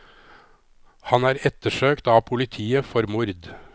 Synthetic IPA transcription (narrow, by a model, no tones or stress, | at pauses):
hɑnæːɾɛt̪ːəʂøːkt̪ɑːpʰʊlɪt̪ʰiːəfɔɾmʊɾd̪